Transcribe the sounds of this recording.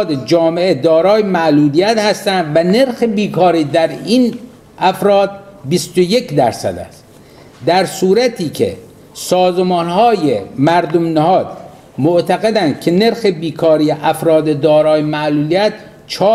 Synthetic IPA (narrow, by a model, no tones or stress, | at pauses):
d̪ed͡ʒɒːmeed̪ɒːɾɒːjemæʔluːlijæt̪hæst̪ænd̪væne̞ɾxebiːkʰɒːɾiːd̪æɾin | ʔæfɾɒːd̪̚bist̪oje̞kd̪æ̰ɾsæ̰d̪æ̰st̪ | d̪æɾsuːɾæt̪ʰiːkʰḛ | sɒːzemɒːnhɒːjemæɾd̪omnæhɒːd̪̥ | moʔt̪ʰæɣed̪ænd̪̥̚cʰene̞ɾxebiːkʰɒːɾijeʔæfɾɒːd̪ed̪ɒːɾɒːjemæʔluːliæt̪̚ | t͡ʃʰɒː